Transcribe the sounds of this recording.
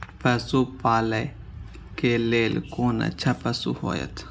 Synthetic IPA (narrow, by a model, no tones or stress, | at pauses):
pəsupaːlə | keleːlkoːnə̰t͡ʃʰapəsṵho̰ːjə̰t̪ʰ